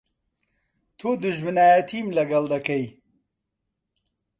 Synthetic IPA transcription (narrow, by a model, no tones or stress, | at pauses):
t̪ʰud̪ʊʒmɨnaːjɐt̪ʰimlɐɡɐld̪ɐkɐj